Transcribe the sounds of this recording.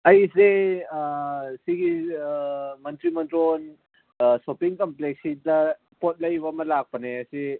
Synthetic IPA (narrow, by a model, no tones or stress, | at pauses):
ɐjse | siɡi | mɐntɾimɐntɾon | sopiŋkɐmpleksidɐ | pot̚lɐjbamɐlak̚pɐneɐsi